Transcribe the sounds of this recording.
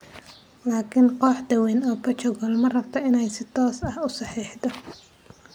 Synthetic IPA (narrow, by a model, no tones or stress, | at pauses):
laːkʰɪnqɔːħd̪ɐwɛnɔːpɐt͡ʃɔɣɔlmɐrɐbt̪ʰɐɪnɛjsɪt̪ʰɔːsɐhʊsɑħiːħd̪ɔ